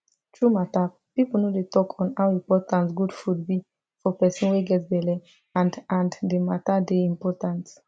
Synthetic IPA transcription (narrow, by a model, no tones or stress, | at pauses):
tɹumata | pipl̩nodetɔkʰɔ̃nawĩmpɔtãnsɡudfud̚bi | fɔpɛsɔ̃nwiɡɛtsbɛlɛ | ãndãndematadeĩmpɔtãns